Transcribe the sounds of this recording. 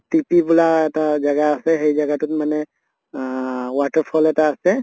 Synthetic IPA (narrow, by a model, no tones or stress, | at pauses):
tipibulaɛt̪ad͡ʒɐɡaːseɦəid͡ʒəɡat̪ut̪məne | waʈəɾpʰɔlɛt̪aːse